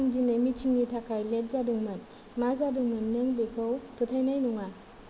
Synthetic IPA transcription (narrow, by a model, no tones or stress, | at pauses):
ŋdinemitʰiŋnitʰakʰajlet̚zadɯŋmɯn | mazadɯŋmɯnːɯŋbekʰɯwpʰɯtʰajnajnuŋa